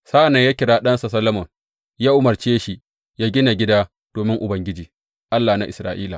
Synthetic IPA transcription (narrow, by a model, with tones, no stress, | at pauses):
saː˦ʔa˨na˨ja˦kʲɪ˨ɽaː˦ɗɐ˦nsa˨sɐ˦lɐ˦mɐ˨m | jaː˦ʔʊ˦mɐ˨rt͡ʃeː˦ʃi˨ | jaː˦ɡʲɪ˦na˨ɡʲɪ˦daː˦ | d̥oː˨mɪ˦ŋʔʊ˨bɐ˨ŋɡʲɪ˦d͡ʒiː˨ | ʔa˦lːaː˨na˨ʔɪ˨sɾa̰ː˨ʔiː˦la˨